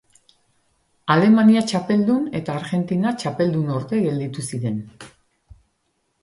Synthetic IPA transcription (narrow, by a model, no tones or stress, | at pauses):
ale̞maniat͡ʃape̞ld̪une̞t̪aːɾɣe̞nt̪inat͡ʃape̞ld̪uno̞ɾt̪e̞ɣe̞ld̪it̪usiɾe̞n